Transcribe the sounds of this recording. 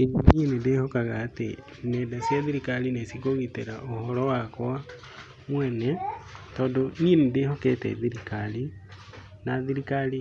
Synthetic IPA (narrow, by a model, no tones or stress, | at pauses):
eɾimienedehokaɣaːtḛ | nedasjaðiɾikalinesikoɣiteɾaʔohɔɾɔwakwa | mwɛnetɔːndonienedehokḛtɛ̰ðiɾikali | naðiɾikali